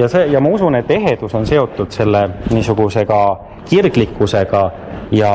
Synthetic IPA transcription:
jɑseːjɑmɑusunet̪ːeɦe̞d̪̥uso̞nse̞o̞t̪ːˑud̪̥se̞lːeniːsuɡ̥use̞ɡ̥ɑ | kirɡlikˑːuse̞ɡ̥ɑ | jɑ

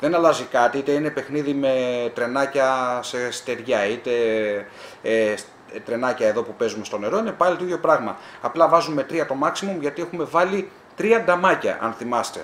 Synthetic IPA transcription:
ðe̞nɐlɐzikɐt̪iit̪e̞ine̞pe̞xniðime̞t̪ɾe̞nɐcɐse̞st̪e̞ɾʝɐit̪e̞ | es | t̪ɾe̞nɐcɐe̞ðo̞pupe̞zumest̪one̞ɾo̞inepɐlit̪oitjopɾɐɣmɐːplɐvɐzume̞t̪ɾiɐt̪o̞mɐksimumʝɐt̪ie̞xume̞vɐli | t̪ɾiɐnd̪ɐmɐcɐ̰ʔɐ̰nθimɐst̪e̞

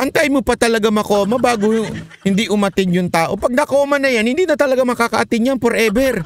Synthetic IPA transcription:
ʔɐŋt̪ajmʊpɐt̪ɐlɐɡamɐkoːmɐbaːɡohɪnd̪iʔʊmɐt̪ɪŋjʊŋt̪aːʔo̞pɐɡ̚nɐkoːmɐnɐjanhɪnd̪iːnɐt̪ɐlɐɡamɐkakɐʔɐt̪ɪŋjanpoɾʔɛbɛɾ

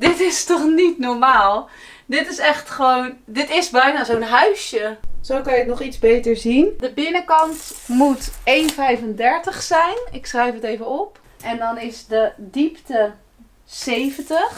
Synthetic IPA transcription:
dɪtɪstɔχnitnɔɹmaːlˠ | dɪtɪsɛχtχəʋowndɪtɪsbɛjnaːzownɦœɥsjəz̥okɑnjətnɔχitzbejtəɹzindəbɪnəkɑntmutejnfɛjvəndɛɹtəχsɛjnɪksrɛjfətejvənɔp | ʔɛndɔnɪsdədiptə | sejvəntəχ

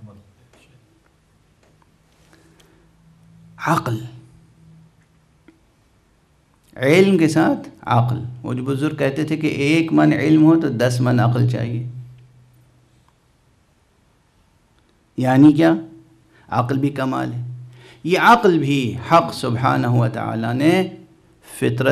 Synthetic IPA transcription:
ɐql | ʕɪlmkesaːt̪ʰɐ̰qlɦʊ̰d͡ʒbʊzʊɾɡ̚kɛɦt̪et̪ʰekḛʔeːkmɐnʕɪ̰lmɦot̪od̪ɐsmɐnɐ̰qlt͡ʃa̰ːɦieː | jaːnik̬jaː | ɐ̰qlbʱikɐma̰ːlɦɛː | jeɐqlbʱihɐqsʊbɦaːnəɦʊʋət̪a̰a̰ːlane | fɪt̪ɾə

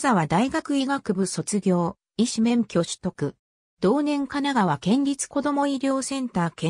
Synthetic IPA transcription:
zaβad̪aiɡakɯ̟iɡakɯ̟bɯ̟so̞t͡sɨɡʲo̞ː | iɕimẽ̞ŋkʲo̞ɕɨ̥t̪o̞kɯ̟ | d̪̥o̞ːnẽ̞ŋkanaɡaβakẽ̞ɲ̟ɾʲit͡sɨ̥ko̞d̪o̞mo̞iɾʲo̞ːsẽ̞nt̪aːkẽ

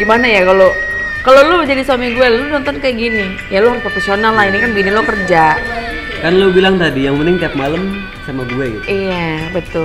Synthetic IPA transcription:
ɡimanajakalo | kalolod͡ʒadisamiɡuɛllonɔnt̪ɔnkajaɡini | jaloprɔfesionalːahinikanbəɡinilokərd͡ʒa | kanlubilaŋt̪adijaŋmənɪŋt̪iap̚maləm | samaɡuɛɡit̪ijabət̪ʊl

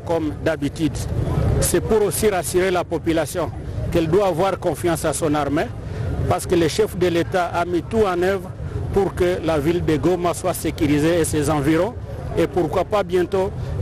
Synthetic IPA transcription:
kɔmd̪abit̪yd̪sɛpuʁosiʁasyʁelapɔpylasjɔ̃ | kɛld̪waːvwaʁkɔ̃fjɑ̃sasɔ̃naʁme | paʁsə̥kələʃɛfd̪əlet̪aʔamit̪uɑ̃nœvʁpuʁkəlavild̪əɡomaswasekyʁizeːsezɑ̃viʁɔ̃epuʁkwapabjɛ̃t̪o

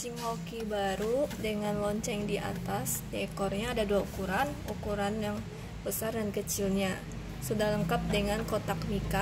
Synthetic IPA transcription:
siŋokibaɾudəŋanlɔɲt͡ʃɛŋdiʔa̰t̪as | ɛkɔrɲaːdaduaukuɾanukuɾanjaŋ | bəsardankət͡ʃilɲa | sudahləŋkap̚dəŋankot̪akmika

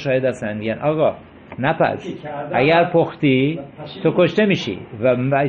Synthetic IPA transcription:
ʃɒːjed̪æst̪ænmiɟænʔɒːɣɒ | næpæ̰sʔæɡæɾpʰoxt̪it̪ʰokoʃt̪e̞miːʃḭvæmæ

